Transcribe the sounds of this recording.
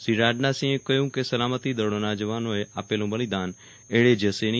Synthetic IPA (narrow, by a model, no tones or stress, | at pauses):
siɾaːɖnasĩẽkəjũkesəlaːmət̪id̪əɽonad͡ʒəʋaːnoeʔaːpelõbəlid̪aːn | eːɭed͡ʒəseñi